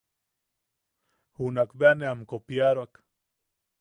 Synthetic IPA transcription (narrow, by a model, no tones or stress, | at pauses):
hunakbeaneamkopjaɾak